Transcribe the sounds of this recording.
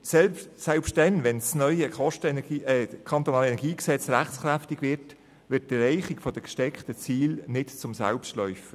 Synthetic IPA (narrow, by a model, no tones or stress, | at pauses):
sɛlsɛlpʃt̚ɛnʋɛnsnœʏəkɔʃtəɡiːɛkʰɑnt̪onɑːlɛnɛɡiːksɛt͡sɾæχt͡skɾæftiɡ̥ʋɪrt | ʋɪt̚ːərɛɪχikfɔd̥əkʃtɛkχtət͡siːlnɪtt͡sʊmsa̰lpsʃtlœʏfə